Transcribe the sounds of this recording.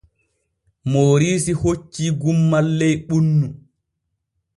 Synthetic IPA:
moːɾiːsihot͡ʃːiːɡumːalːɛjɓunːu

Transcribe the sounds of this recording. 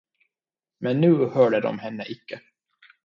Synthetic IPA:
mɛnːʉ̟ːhœːɖəd̪ɔ̰mhɛnːəʔɪkːə

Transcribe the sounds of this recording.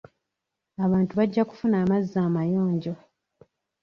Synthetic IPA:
aβaːntuβaɟːaku̥funaːmazːaːmajo̞ːɲɟo̞

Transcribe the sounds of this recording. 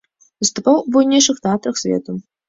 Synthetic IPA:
vɨst̪upawvujnʲːɛʂɨxt̪ɛat̪ɾɐxsʲvʲɛ̰t̪u

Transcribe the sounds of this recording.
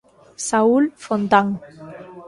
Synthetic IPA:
saulfɔnd̪aŋ

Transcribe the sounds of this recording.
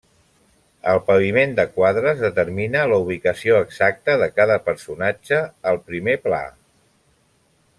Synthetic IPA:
əlˠpəβ̞imend̪əkwaðɾəzðət̪ərminələuβ̞ikəsioəɡz̥ak̚t̪əðəkaðəpəɾsunad͡ʒəːlˠpɾimepla̰

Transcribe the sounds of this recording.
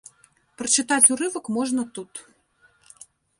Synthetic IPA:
pɾɐt͡ʂɨt̪at͡sʲuɾɨvɐkmɔʐnɐt̪ut̪

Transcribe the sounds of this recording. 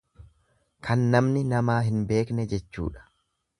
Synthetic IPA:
kʰɐnːɐmnɪnɐmaːɦɪnbe̞ːknɛd͡ʒɛt͡ʃːṵːᶑɐ̥

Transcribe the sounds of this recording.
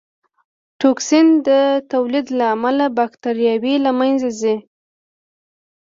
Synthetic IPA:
ʈoksind̪ət̪awlid̪laːmalabakt̪aɾijɑwilamanzazi

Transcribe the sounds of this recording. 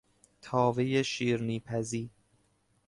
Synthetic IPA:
t̪ʰɒːvejeʃiːɾniːpʰæziːɾ

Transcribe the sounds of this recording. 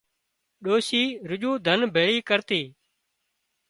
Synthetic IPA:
ɗoːsiːɾʊʄũːd̪ʱənbʱeːɭiːkəɾt̪iː

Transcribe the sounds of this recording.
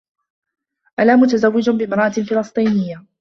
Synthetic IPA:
ʔalaːmʊt̪̬azawːɪd͡ʒʊbɪmɾˤɑːʔafɪlɑsˤt̪ˤiːnɪjːa

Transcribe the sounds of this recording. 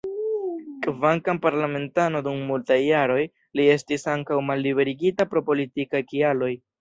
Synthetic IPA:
kvaŋkampaɾlame̞ntano̞dumːultajːaɾo̞j | lie̞s̬tisaŋkawmalːibe̞ɾiɡitapɾo̞po̞litikajkialo̞j

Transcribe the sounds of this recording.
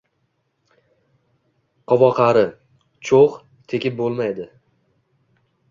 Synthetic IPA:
qʰɒvɒqʰɑɾɪ | t͡ʃʰoq | t̪ʰe̞kʲɪp̚bolˠmajd̪ɪ

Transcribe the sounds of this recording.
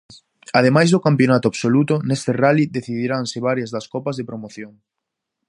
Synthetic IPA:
aðemajzðokampjonat̪ʊaβsolut̪ʊnest̪eralid̪eθiðiɾaŋseβaɾjɐzðɐskɔpɐzðepɾomoθjoŋ

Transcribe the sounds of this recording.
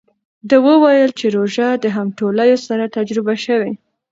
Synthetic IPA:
d̪əwəwajəlt͡ʃeɾoʒad̪əɦamʈoləjosaɾat̪ad͡ʒɾɪbaʃəwe

